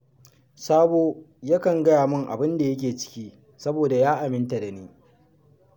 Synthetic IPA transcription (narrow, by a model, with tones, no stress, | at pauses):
saː˦boː˨ | ja˦kɐ˨ŋɡɐ˦jaː˨mʊ˦ŋʔa̰˨bɪ˦nda˨jɐ˦k̬ʲeː˨t͡ʃɪ̥˦kʲiː˦ | sɐ˦boː˨da˨jaː˦ʔa˨mɪ˦nta˨da˨niː˦